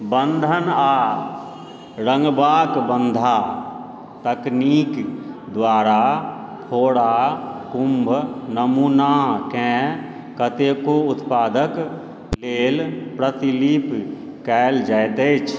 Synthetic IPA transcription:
bə̃nd̪ʱənaː | ɾə̃ŋɡbaːkbə̃nd̪ʱa | t̪əkniːkd̪waːɾapʰoːɽakʊ̃mbʱnəmuːnakɛ̃ | kət̪ekoʊt̪paːd̪ək | leːlpɾət̪ilip | kɛːld͡ʒɛt̪et͡ʃʰ

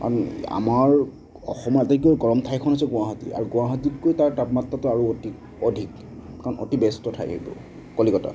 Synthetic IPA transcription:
ka̰na̰maɹ | ɔ̰xɔmɔɹtak̬iɔɡɔɹɔmtʰajkʰɔnɦojsɛɡʊ̃aɦɔtḭa̰ɹuɡũaɦatitkojtaɹtatmatːatʊaɹuoti | ɔdʱik | kaɹɔnɔ̰tibɛstɔtʰa̰jʰḛibɔ̰ | kolikɔta̰

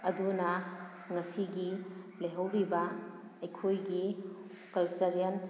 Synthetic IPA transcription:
ɐdunɐ | ŋɐsiɡileɦɐwɾibɐ | ɐjkʰojɡi | kɐlsɐɾijɐn

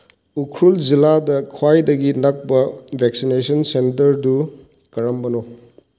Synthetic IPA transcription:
ukʰɾulziladɐkʰwajdɐɡinɐk̚bɐbʱeksinesɐnsentɐɾdu | kɐɾɐmbɐno

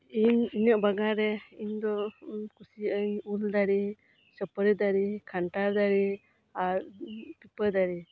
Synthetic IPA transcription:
iɲiɲəʔbaɡaɾɛiɲd̪ɔkusiʔəɲuld̪aɾi | səpəɾɛd̪aɾikʰanʈaɾd̪aɾi | aɾpipəɾd̪aɾi

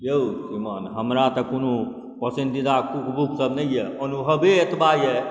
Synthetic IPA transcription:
jeusimanɦəmɾat̪əkono | pəsind̪id̪akukbuksəbnəjjɛɔnuɦəbeet̪baijɛ

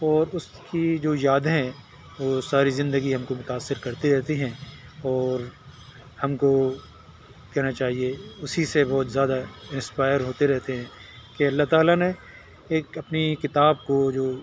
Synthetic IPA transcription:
ɔːɾʊs | kid͡ʒoːjaːd̪ɦɛ̃ | ʋoːsaːɾizɪ̃nd̪əɡiɦɐmkomʊt̪aːsːɪɾkɐɾt̪iɾɛɦt̪iɦɛ̃ɔːɾ | hɐmko | kɛɦnat͡ʃaːɦieʊsisebɔːt̪zjaːd̪aɪ̃nspaːɪəɾɦoːt̪eɾɛɦt̪eɦɛ̃ːkeɐlːaɦt̪aːlane | eːkɐpnikɪt̪aːb̚kod͡ʒoː

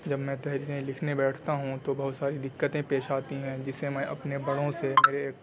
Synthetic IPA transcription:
d͡ʒɐbmɛ̃t̪ɛɦɾiːɾẽlɪkʰnebɛːʈʰt̪aɦũt̪obɐɦʊt̪saːɾid̪ɪkːət̪ẽpeːʃaːt̪iɦɛ̃d͡ʒɪsemɛ̃ʔɐ̰pnebɐɽõsemeːɾeːk

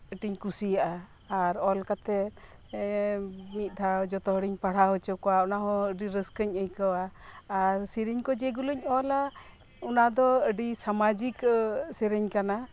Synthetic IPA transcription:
əʈiɲkusijaʔaː | ɾɔlkat̪ɛ | mit̪̚ˀd̪ʰʱad͡ʒɔt̪ɔɦɔɽiɲpaɽ̤aɦɔt͡ʃɔkɔwaɔnaɦɔ̃əɖiɾəskəɲəjkawaː | ɾsiɾiɲkɔd͡ʒɛɡuluɲɔla | unad̪ɔəɖisamad͡ʒiksiɾiɲkana

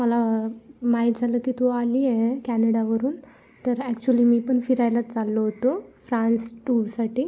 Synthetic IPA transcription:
məlamaɦit̪̚d͡zʱaləːkiːt̪ualiːekænəɽaʋəɾuːn | t̪əɾækt͡ɕuəliːmiːpəɳfiɾajlat̪t͡salːoɦot̪ofɾãnsʈuɾsaʈʰiː

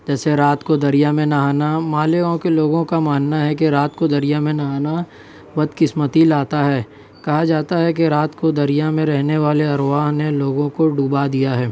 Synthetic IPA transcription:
d͡ʒɛːseɾaːt̪kod̪ɐɾijamẽnaɦaːnamaːlɪkõkeloːɡõkamaːnːaɦɛk̬eɾaːt̪kod̪ɐɾijamẽnaaːna | ʋɐd̪kɪsmət̪ilaːt̪aɦɛː | kɐɦad͡ʒaːt̪aɦɛk̬eɾaːt̪kod̪ɐɾijamẽɾɛɦneʋaːleɐɾʋaːɦneloːɡõkoɖuːbad̪ijaɦɛː

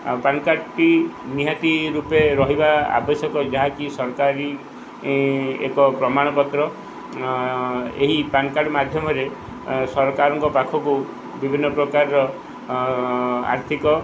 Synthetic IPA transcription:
pankaʈʈiniɦat̪iɾupeɾɔɦibaa̰bɔsɔkɔd͡ʒaɦakisɔɾɔkaɾi | ḛkɔpɾɔmaɽ̃ɔpɔt̪ɾɔ | eɦipankaɖɔmad̪ʱjɔmɔɾe | sɔɾɔkaɾɔŋkɔpakʰɔku | bibʱinːɔpɾɔkaɾɾɔ | a̰ɾt̪ʰikɔ

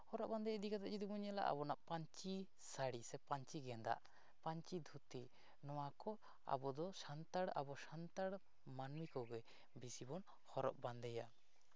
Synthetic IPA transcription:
hɔɾɔʔband̪ɛjɛd̪ikat̪ɛd͡ʒid̪ubuɲala̰ʔa̰bɔnaʔpaɲt͡ʃi | saɽisɛpaɲt͡ʃiɡɛnd̪a̰ʔ | paɲt͡ʃid̪ʱut̪i | nɔwakɔ | a̰bɔd̪ɔsant̪aɽa̰bɔsant̪aɽ | manmikɔɡɛ | bisibɔn | hɔɾɔ̰ʔband̪ɛja

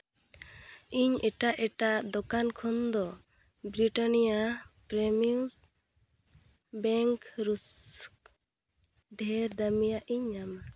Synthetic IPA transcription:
iɲɛʈaʔɛʈaʔd̪ɔkankʰɔnd̪ɔ | bɾiʈanijapɾɛmius | bɛŋkɾusk | ɖʱɛɾd̪amijaʔiɲam

